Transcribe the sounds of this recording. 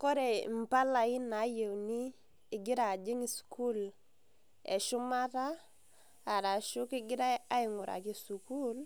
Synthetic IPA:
ko˦ɾe˨m̩˨pa˦la˨i˦na˨˦je˨wniː˦˨ | ɡi˦ɾa˨d͡ʒi˦ŋi˦su̥ku˦l | ḛ˨ʃu˦ma˦taː˦˨ | ɾa˨ʃu˦ki˦ɡi˦ɾa˦ja˦i˨ŋu˨ɾa̰˨ki˨su˨ku˦l

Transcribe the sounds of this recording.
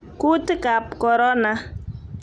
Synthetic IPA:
ku˦tka˨pkɔ˨ɾɔ˦na˨

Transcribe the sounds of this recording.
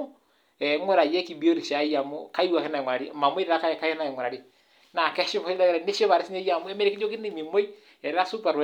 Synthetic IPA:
ɛ˨˦ŋo˦ɾa˨jɛ˦ki˨bi˦o˦ɾi˨ʃa˨˦ja˨mo˦ka˦i˦wa˨ke˦na˨ŋwa˨ɾa˨ɾi˦˨ma˨mo˦i˦ɾɾa˦ka˦˨ka˦ɛ˦na˨ŋwɔ˨ɾa˨ɾi˦ | na˨kɛ˦ʃo˦βɔ˨i˦lɛ˦kɾɛ˨ne˦ʃo˦βa˨ɾe˦si˦ɲa˦ja˨mu˦ɛ˦me˦ɾe˨ki˦d͡ʒo˦ki˦ne˦˨mi˨mo˦i˦ | ɛ˨ɾɛ˦a˦su˦pa˨ɾ

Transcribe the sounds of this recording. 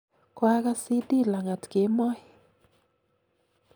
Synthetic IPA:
kwa˦ka˦si˦di˦la˨ŋa˨tke˨˦mɔ˦ɪ˨

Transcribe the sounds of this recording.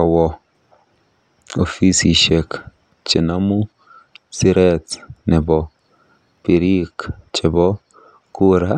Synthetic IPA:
a˨wɔ˨ | o˨fi˦si˨ʃe˨k | t͡ʃɪ˨na˦mu˦ | si˦ɾɛ˦tnɪ˨bɔ˨ | pi˨ɾi˦kt͡ʃɪ˨bɔ˦ | ku˦ɾa˦

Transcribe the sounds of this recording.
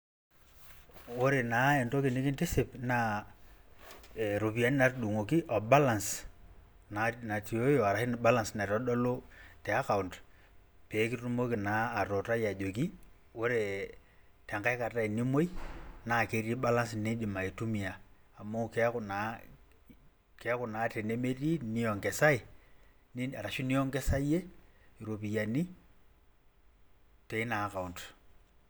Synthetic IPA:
wo˦ɾe˨naː˨˦e˨nto˦kɪ˨nɪ˦kɪ˦ntɪ˦sɪ˨pna˦˨ | ɾo˨pi˨a˦n˦na˦rɗu˨ŋo˨ki˦ʔɔ˨ba˦la˨ns | na˨na˨ti˨o˦jo˨a˨ɾa˨hɪ˦n˦ba˦la˨nsna˨ɾɔ˦dɔ˦lo˦tɛ˨a˦ka˨ʊ˨nt | peː˨˦kɪ˦tu˦mo˦ki˨naː˨˦˨to˨ta˦ja˨d͡ʒo˨k̬i˦ | wo˦ɾe˨ | tɛ˨ŋka˦ɪ˦ka˨ta˦i˨ni˦mo˦i˦na˨ke˦ɾi˦ɓa˦la˦ns̬i˨ne˦ɗi˨ma˨i˨tu˦mi˨aː˨ | mo˦kɛ˦kʊna˦ | ke˦kʊ˨na˨˦te˨ne˦me˦ri˦ni˦ɔ˨ŋkɛ˨sa˦i˨ | ni˦a˨ɾa˨ʃu˦ni˦ɔ˦ŋɡɛ˦sa˦je˦i˨ɾo˨p̬i˨ja˨ni˦ | te˨ɪ˦na˨˦ka˨u˨nt

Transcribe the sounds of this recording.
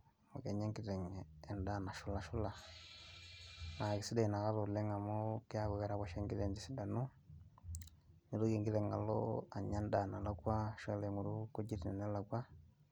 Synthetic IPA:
mu˨ke˨ɲe˦ŋki˦˨tɛ˨ŋɛː˨nda˦na˨ʃu˦la˨ʃu˦la˨ | na˨ki˨si˦da˨i˨na˨ɣa˦lu˨le˦ŋa˨mo˦ki˦a˦βu˨ɣɛ˦ɾa˦βa˦ʃe˦ŋɡi˦le˨ndi˦si˦da˨nu˦ | ni˨lu˦ki˨ŋɡi˦lɛ˨ŋa˨lo̰˦a˨ɲa˦nda˨na˨la˦kwa˦ʃɔ˦le˨ŋu˨ɾu˦ku˦ɟi˦ti˨nɛ̰˨nɛ˦la˨kwa˦

